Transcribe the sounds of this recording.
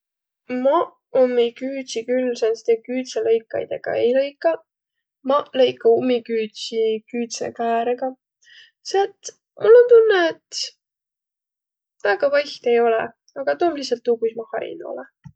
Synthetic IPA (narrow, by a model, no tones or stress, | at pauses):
mɑ | omːikyːt̪sikylsenst̪ekyːt̪selɤjkːˑɑ̰jd̪̥ḛɡ̥ɑ̰ejlɤjkːˑɑ | mɑlɤjkːɑumːikyːt̪sikyːt̪sḛkæːɾeɡ̥ɑ | set̪ | mulːo̞nt̪unːeet̪ | væɡ̥ɑpɑjht̪e̞jo̞lɛ̰ | ɑɡ̥ɑt̪oːmlisɑlt̪ːˑuɡusmɑhɑ̰ɾḭno̰lɛ